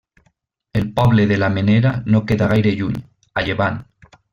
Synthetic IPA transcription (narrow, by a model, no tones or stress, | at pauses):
elpɔβleðelameneɾanokeðaɣajɾeʎuɲ | aʎeβan